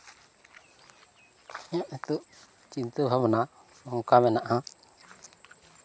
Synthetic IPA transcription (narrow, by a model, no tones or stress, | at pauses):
aʔet̪uʔ | t͡ʃint̪əbʱamna | ɔŋkamɛnaʔa